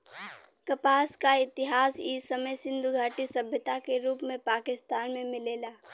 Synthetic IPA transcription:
kɐpaːskaɪt̪ɪɦaːsiːsəməjsɪ̃nd̪ʱuɡʱaːʈisɐbʱjət̪akeɾuːpmẽpaːkɪst̪aːnmẽmɪleːlaː

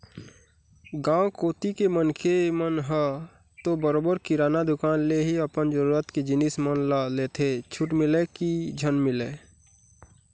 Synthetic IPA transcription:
ɡãwkoːt̪ikemənkʰemənɦə | t̪obəɾoːbəɾkiɾaːnad̪ʊkaːnleɦiəpənd͡ʒəɾuɾət̪ked͡ʒɪnismənlalet̪ʰet͡ʃʰʊʈmɪlekid͡ʒʱənmɪle

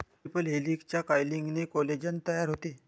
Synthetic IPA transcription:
ipəlɦelikt͡ɕjakajliŋɡnekɔled͡ʑənt̪əjaɾɦot̪e

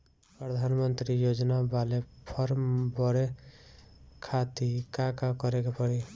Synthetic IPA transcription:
pɾəd̪ʱanmənt̪ɾijod͡ʒnabalepʰʌɾmbʌɽe | kʰat̪ikakakʌɾekapʌɽi

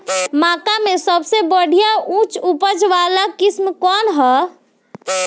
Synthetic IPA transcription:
mãkamesəbsebəɽ̤ʱijaʔũt͡ʃupəd͡ʒʋalakismkɔnɦɔ

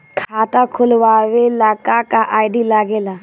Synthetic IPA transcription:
kʰaːt̪akʰʊlʋaːwelaːkakaʔaːɪɖilaɡeːlaː

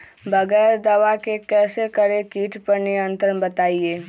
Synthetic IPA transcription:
bɐɣɛːɾd̪ɐʋakekɛːsekɐɾekiːʈpɐɾnɪjə̃nt̪ɾənbɐt̪aːieː

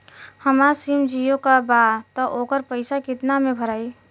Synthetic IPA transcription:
həmasimd͡ʒijõkabat̪ɔʔoːkəɾpəɪsakɪt̪namẽbʱəɾaːi

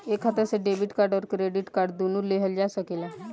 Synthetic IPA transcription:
ekʰat̪əseɖebiʈkaɾɖɔɾkɾeɖiʈkaɾɖd̪unuːɾleɦəld͡ʒasəkela

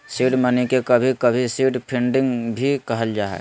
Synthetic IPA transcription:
siːɖmənikekəbʱikəbʱisiːɖpʰɪ̃ɳɖɪ̃ŋɡbʱikəɦəld͡ʒaːɦɛ̰

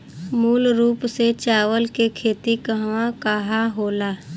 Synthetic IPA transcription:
muːlɾuːpset͡ʃaːʋəlkekʰeːt̪ikəɦʋãkaɦaɦoːlaː

